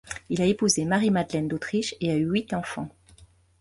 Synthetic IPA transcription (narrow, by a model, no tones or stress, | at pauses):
ilaepuzemaʁimad̪lɛnd̪ot̪χiʃeayɥit̪ɑ̃fɑ̰̃